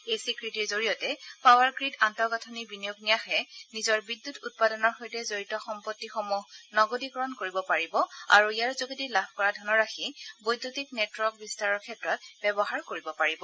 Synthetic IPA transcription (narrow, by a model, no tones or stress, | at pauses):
ejsikɹitiɹzoɹijɔtɛpawaɹɡɹidantɔɡatʰɔnibinijoɡnijaxɛnizɔɹbidːutut̚padɔnɔɹxojtɛzoɹitɔxɔmpɔtːixɔmuɦnɔɡodikɔɹɔnkoɹibɔpaɹibɔa̰ɹuijaɹzoɡidilabʱkɔɹadʱɔnɔɹaxibojdːutiknɛtwɔk̚bistaɹɔɹkʰɛtɹɔtbɛbɔɦaɹkoɹibɔpaɹibɔ